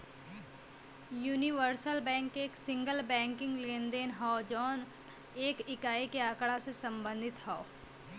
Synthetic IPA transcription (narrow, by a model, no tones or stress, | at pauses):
juːniʋəɾsəlbɛ̃ːŋkeːksɪ̃ŋɡəlbɛ̃ːŋkɪ̃ŋɡlẽːnd̪eːnɦaod͡ʒɔːn | eːkɪkaːikeaːkɽasesə̃mbə̃nd̪ʱɪt̪ɦao